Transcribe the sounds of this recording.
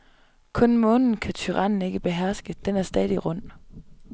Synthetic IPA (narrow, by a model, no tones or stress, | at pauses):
kʰɔ̽nmɔ̽ːnn̩kʰæt͡sʰyʁɑ̈n̰n̩e̝ɡ̥əb̥e̝ɦæɐ̰sɡ̥əd̥enæɐsd̥ɛːðˠiʁɔ̽n̰